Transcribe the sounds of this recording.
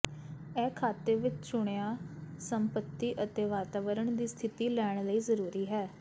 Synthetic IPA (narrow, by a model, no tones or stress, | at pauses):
ɛːkʰaːt̪eːʋɪt͡ʃt͡ʃʊɽ̃eaːsəmpət̪ːiːʔət̪eːʋaːt̪aːʋəɾəɳd̪iːst̪ʰɪt̪iːlɛːɽɳ̃ləiːzəɾuːɾiːɦɛː